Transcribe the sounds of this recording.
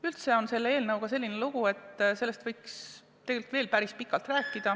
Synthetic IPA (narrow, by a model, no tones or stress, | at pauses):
ylt̪se̞o̞nse̞lːee̞ːlnɤwɡ̥ɑse̞lʲːineluɡ̥ue̞t̪ːˑse̞lːe̞st̪v̥ɤjks | t̪eɡelik̪veːlpæɾispikːˑɑlt̪ræːkːˑid̪̥ɑ